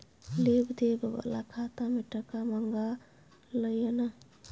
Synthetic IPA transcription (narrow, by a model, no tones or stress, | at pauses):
lebd̪ebbə̰la̰kʰat̪amiʈəkaməŋɡa | ləjena